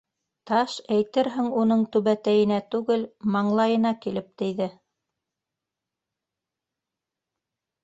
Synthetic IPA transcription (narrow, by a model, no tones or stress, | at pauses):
t̪ɑʃæjt̪ɘɾɦɘŋunɤɴt̪ʉβæt̪æjɘ̆næt̪ʉɡɘlmɑɴlˠɑjɤ̆nɑkilɘp̚t̪ɘ̆jðɘ